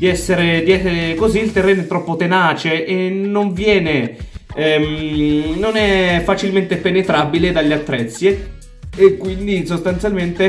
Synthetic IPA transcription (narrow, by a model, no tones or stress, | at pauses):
d̪iɛsːeɾed̪iɛkoziːlt̪erːeːnoɛt̪ːɾɔpːot̪enaːt͡ʃeʔenːoɱvjɛːneɛmnonɛfːat͡ʃilment̪epenet̪ɾabiled̪alːeat̪ːɾɛt̪sːjeː | kːwind̪isost̪ant̪sjalment̪e